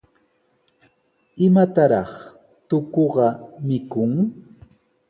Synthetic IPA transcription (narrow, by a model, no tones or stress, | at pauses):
ɪmat̪aɾɑχ | t̪ʊkoɢɑmɪkʊŋ